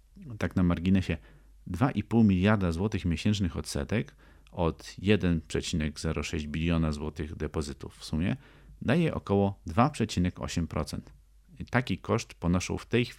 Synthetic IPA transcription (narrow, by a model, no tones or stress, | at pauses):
t̪aknamaɾɡʲinɛɕɛ | d̪vaʔipuwmʲilʲjaɾd̪azwɔt̪ɘxmʲjeɕɛntt͡ʂnɘxɔt̪sɛ̰t̪ɛk | ɔt̪jɛd̪ɛnpʂɛt͡ɕinɛɡzɛɾɔʂɛʑd͡ʑbʲilʲjɔnazwɔt̪ɘɣd̪ɛpɔzɘt̪ufːsumʲjɛ̰ | d̪ajɛʔɔ̰kɔwɔd̪vapʂɛt͡ɕinɛkɔ̰ɕɛmpɾɔ̰t̪sɛnt̪ | it̪akʲikɔʂt̪pɔnɔʂɔ̰wft̪ɛjx